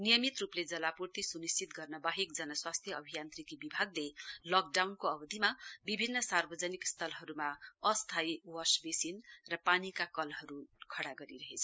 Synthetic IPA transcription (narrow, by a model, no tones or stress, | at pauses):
nijʌmit̪rupled͡zʌlapurt̪isunist͡sit̪ɡʌrnʌbaɦik̚d͡zʌnʌswast̪ʰjʌʌbʱijant̪rikibibʱaɡlelʌk̚ɖawnkoʌbʌd̪ʱimabibʱinːʌsarbʌd͡zʌnikst̪ʰʌlɦʌɾumaʌst̪ʰajwʌsbesinrʌpanikakʌlɦʌɾukʰʌɽaɡʌɾiɾʌɦet͡sʰ